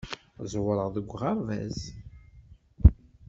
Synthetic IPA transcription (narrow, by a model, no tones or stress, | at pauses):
zwəɾˤəʁðəɡʷːʁaɾvæ̰z